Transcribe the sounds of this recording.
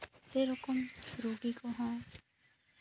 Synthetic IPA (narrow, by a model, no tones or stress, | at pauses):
seɾʊkɔmɾoɡikoɦɔ̃ː